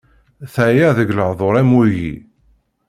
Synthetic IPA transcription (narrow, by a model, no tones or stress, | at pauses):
θæjæðəɡləʕðˤoɾˤæmujḭ